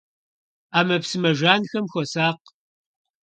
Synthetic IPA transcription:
aːmɐpsɨmɐʒaːnxɐmxʷɔsaːq

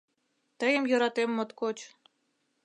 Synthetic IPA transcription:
t̪əjə̆mjɤ̆ɾɑt̪emːot̪kot͡ɕ

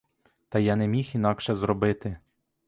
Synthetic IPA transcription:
t̪ɐjɑnɛmʲixin̪ɑkʃɛzɾɔbɪt̪ɪ

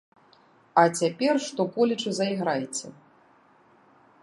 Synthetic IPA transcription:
ɐt͡sʲapʲɛrʂt̪ɔkɔlʲit͡ʂɨzɐiɣɾajet͡sʲɛ̰

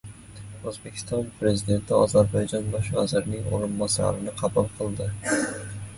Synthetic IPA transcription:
ozbe̞kʲʰɪ̥st̪ɒnpʰɾe̞zid̪e̞nt̪ʰɪɒzaɾbɒjd͡ʒɒnbɒʃva̰zɪɾnɪŋo̰ɾɪnbɒsa̰ɾɪnɪqʰɑbulˠqʰɨlˠd̪ɪ

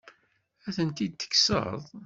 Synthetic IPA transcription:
æθənt̪id̪̚t̪ːə̥kːsə̰ðˤ

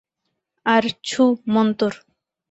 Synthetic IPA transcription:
aɾt͡ɕʰumɔnt̪oɾ

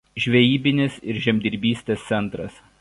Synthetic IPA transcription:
ʒʲʋʲɛjiːbʲɪnʲɪsɪɾʒʲɛmʲd̪ʲɪɾʲbʲiːsʲt̪ʲeːst̪sʲɛnˑt̪ɾɐs

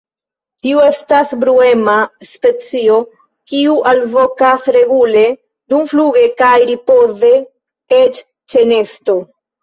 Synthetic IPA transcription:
tiue̞stasbɾue̞maspe̞t͡sio̞ | kiuʔalvo̞kasɾe̞ɡule̞ | d̪umfluɡe̞kajɾipo̞ze̞ | et͡ʃ | t͡ʃe̞ne̞sto̞

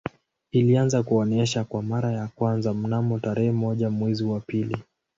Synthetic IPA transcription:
ilianzakuɔnɛʃakwamaɾajakwanzam̩namɔtaɾɛhɛmɔʄamwɛziwapili

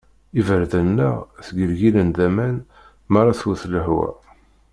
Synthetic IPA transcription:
ivəɾðənːəʁθɡəlʝilənd̪æmæn | mɑɾˤɑθuθləhwæ̰

